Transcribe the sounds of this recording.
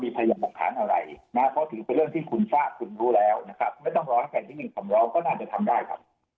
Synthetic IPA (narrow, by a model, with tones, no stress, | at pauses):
miː˧pʰa˧jaː˧bu˨˩kt̪ʰa̰ː˩˦nʔa˧ɾa̰˧jna˦˥pʰːɔ˦˥t̪ʰɯː˩˦pe˧nɾɯ˥˩əŋt̪ʰiː˥˩kʰu˧nsaː˥˩k̚kʰu˧nɾuː˦˥lɛː˦˥wna˦˥kʰɾa˦˥p̚ma˥˩jt̪ɔ˥˩ŋɾɔː˦˥na˥˩k̪ʰa˧˩t̪ʰiː˥˩nɯ˨˩ŋkʰa˨˩˦mɾɔː˦˥ŋkɔː˥˩naː˥˩t͡ɕa˨˩t̪ʰa˧mdaː˥˩jkʰa̰˦˥p̚